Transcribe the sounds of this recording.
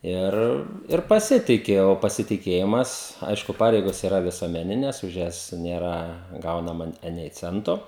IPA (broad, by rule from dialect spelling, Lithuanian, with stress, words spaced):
ˈɪr ɪr pɐˈsʲɪtʲɪkʲɪ oː pɐsʲɪtʲɪˈkʲeːjɪmɐs ˈɐɪʃkʊ ˈpɑːrʲɛɪɡoːs ɪˈrɐ ʋʲɪsuɔmʲɛˈnʲɪnʲɛs ʊʃ ˈjɛs ˈnʲeːrɐ ˈɡɐʊnɐmɐ ˈɑːnʲɛɪ ˈt͡sʲɛntoː